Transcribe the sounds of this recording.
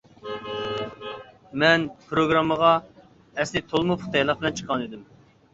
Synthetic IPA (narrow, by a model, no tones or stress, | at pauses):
mɛnpʰɾoɡɾɑmːəʁɑ | ɛslɪt̪ʰolˠmupχu̥t̪ʰɑjlˠɑq̚bɪlɛnt͡ʃʰə̥qʰːɑnid̪ɪm